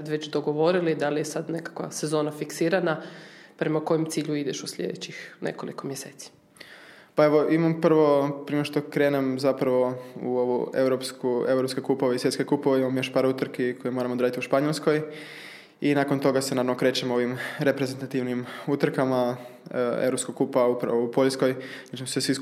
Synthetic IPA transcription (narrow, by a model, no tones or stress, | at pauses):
ad̪ʋet͡ɕd̪oɡoʋo̞ɾilid̪alijesad̪nekḁkʋa̰se̞zo̞ːnafiksiːɾanapɾe̞mako̞jemt̪siːʎuid̪eʃusʎʲḛd̪et͡ɕixnʔḛko̞̰lḭko̞mjeseːt̪si̥ | paeʋo̞ʔimampr̩ʋo̞pɾiʃt̪okɾeːnemzapɾaʋo̞ṵo̞ʋṵḛwɾopskue̞wɾopskekupoʋeisjet̪skekupoʋeimamojoʃpaɾut̪ɾ̩kekʰojemo̞ɾamod̪ɾaːit̪iuʃpaɲo̞lˠsko̞j | inakont̪o̞ɡasenaːɾamnokɾe̞t͡ɕemo̞ʋimɾepɾezent̪at̪iʋnimut̪r̩kama | ḛwɾopskoɡ̚kːupaupɾ̰oupo̞ʎsko̞jnat͡ʃimsesʋis